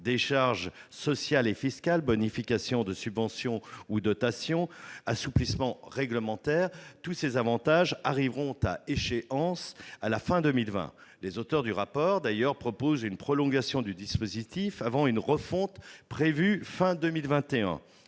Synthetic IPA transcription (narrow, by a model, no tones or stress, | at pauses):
d̪eʃaʁʒsɔsjalefiskʲalbɔnifikʲasjɔ̃d̪əsybvɑ̃sjɔ̃ud̪ɔt̪asjɔ̃asuplismɑ̃ʁɛɡləmɑ̃t̪ɛʁt̪usezavɑ̃t̪aʒaʁivʁɔ̃t̪a̰eʃeʔɑ̃salafɛ̃d̪ømilvɛ̰̃lezot̪œʁd̪yʁapɔʁd̪ajœʁpχɔpozynpχɔlɔ̃ɡasjɔ̃d̪yd̪ispozit̪ifavɑ̃ynʁəfɔ̃t̪pχevyfɛ̃d̪ømilvɛ̃t̪eɛ̰̃